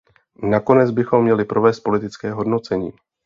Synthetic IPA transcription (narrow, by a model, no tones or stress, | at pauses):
nako̞nɛd͡zbɪxo̞mːɲɛlɪpɾo̞vɛːst̪̚po̞lɪt̪ɪt͡skɛːɦo̞dno̞t͡sɛɲḭː